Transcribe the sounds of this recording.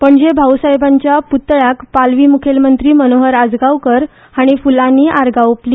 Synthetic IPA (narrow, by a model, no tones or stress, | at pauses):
pəɳd͡ʑebʱawsaɦjbãɲt͡ɕjaput̪ːɭakpalʋiːmukʰelmənt̪ɾiːmənoɦəɾad͡zɡawkəɾ | aɽ̃ifulaniːʔaɾɡawpli